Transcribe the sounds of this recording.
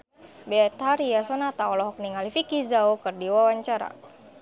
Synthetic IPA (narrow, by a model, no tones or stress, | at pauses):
bɛat̪haɾiasɔnat̪aɔlɔɦɔk̚niŋalifikizaukɨrdiwawaɲt͡ʃaɾa̰